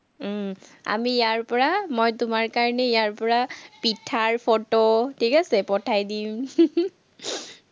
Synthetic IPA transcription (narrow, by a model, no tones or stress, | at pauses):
a̰mijaɹpɔɹamojtʊmaɹkaɹɔnɛijaɹpɔɹapitʰːaɹpʰototʰikasɛpɔtʰajdim